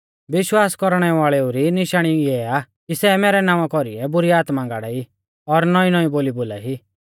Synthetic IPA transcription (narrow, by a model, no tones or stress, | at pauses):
ʋɪʃwaːskɔɾɽ̃ɛʋaːɭɛuɾinɪʃaːɽ̃iɛaː | kisɛːmɛːɾɛnãːʋakɔɾḭɛbʊɾiaːt̪mãŋɡaːɽai | ɔɾnɔĩnɔiboːliboːla̰ɦi